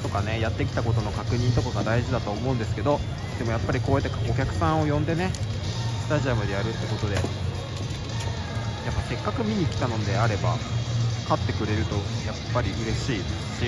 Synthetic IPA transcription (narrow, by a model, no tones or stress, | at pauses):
t̪o̞kane̞jat̪ːe̞kʲi̥t̪ako̞t̪o̞no̞kakɯ̟ɲ̟ĩnt̪o̞kaɡad̪aiʑid̪at̪o̞ːmo̞ɯ̟̃nd̪e̞sɨ̥ke̞d̪o̞ | d̪̥e̞mo̞japːaɾʲiko̞ːjat̪ːekokʲakɯ̟̥sãɰ̃o̞jõ̞nd̪e̞ne̞sɨ̥t̪aʑiamɯ̟d̪e̞jaɾɯ̟t̪ːe̞ko̞t̪o̞d̪e̞ | japːase̞kːakɯ̟mʲiɲ̟ikʲi̥t̪ano̞d̪e̞aɾe̞ba̰kat̪ːe̞kɯ̟ɾe̞ɾɯ̟t̪o̞japːaɾʲiɯ̟ɾe̞ɕiːd̪eɕi